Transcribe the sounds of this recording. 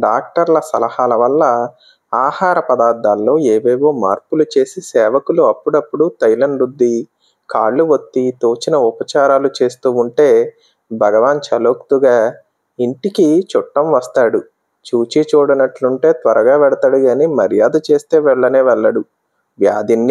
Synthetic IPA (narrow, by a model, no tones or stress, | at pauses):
ɖaːk̚ʈɐɾlɐsɐlɐhaːlɐʋɐlːɐ | aːhaːɾɐpɐd̪aːɾd̪aːlːo̞ːeːʋeːʋo̞ːmaːɾpulut͡ʃe̞ːsisɛːʋɐkuluɐpːuɽɐpːuɽut̪ɐjlɐɳɖɾud̪ːi | kaːɭːuʋot̪ːit̪oːt͡ʃinɐupɐt͡ʃaːɾaːlut͡ʃe̞ːst̪uːuɳʈe̞ː | bʱɐɡɐʋaːnt͡ʃɐloːkt̪uɡaː | iɳʈikit͡ʃuʈːɐmʋɐst̪aːɽu | t͡ʃuːt͡ʃit͡ʃuːɽɐnɐʈluɳʈe̞ːt̪ʋɐɾɐɡaːʋɛɽɐt̪aɽuɡaːnimɐɾjaːd̪ɐt͡ʃe̞ːst̪e̞ːʋɛɭːɐneːʋɛɭːɐɽu | ʋjaːd̪inː